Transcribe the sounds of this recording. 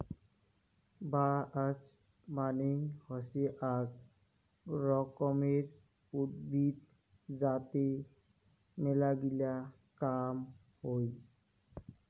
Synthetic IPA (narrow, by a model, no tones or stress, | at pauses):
baas | maniŋhɔseʔaɡ | ɾɔkɔmeɾ | ut̪̚bʱid̪ | d͡ʑat̪e | melaɡila | kam | hoj